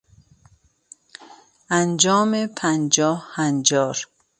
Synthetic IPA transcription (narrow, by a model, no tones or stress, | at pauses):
and͡ʒɔːmepʰand͡ʒɔːhhand͡ʒɒːɾ